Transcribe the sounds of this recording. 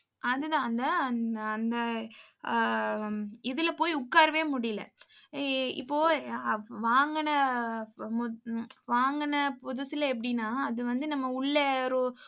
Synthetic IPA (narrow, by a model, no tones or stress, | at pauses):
ɐðɯt̪ãːɐnd̪ɐːnd̪ɐ | ɪðɪlɐpoːjʊkːaːɾɐʋeːmʊɽɪjlɐ̰ | ɪ̰pːoː | ʋaːŋɡɐnɐ | mʊʋaːŋɡɐnɐpɔðʊsɪlɐɛp̬ːɐɽɪnːaːɐðɯʋɐnd̪ɯnɐmːɐʊɭːɐɾo